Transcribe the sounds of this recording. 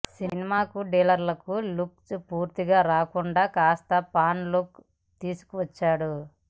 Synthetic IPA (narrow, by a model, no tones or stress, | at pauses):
sinimaːkuɖɛːlɐɾlɐkulukspuːɾt̪iɡaːɾaːkuɳɖaːkaːst̪ɐpaːnluk | t̪iːsu̥kuʋɐt͡ʃːaːɽu